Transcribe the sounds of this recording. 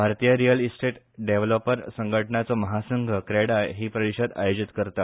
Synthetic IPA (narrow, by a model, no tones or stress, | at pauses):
bʱaɾt̪ijəɾijəlisʈeʈ | ɖeʋlopəɾsəŋɡʱəʈɳat͡sɔməɦasəŋɡʱəkɾeɽajɦiːpɾəɾiɕəd̪a̰jod͡ʑit̪kəɾt̪a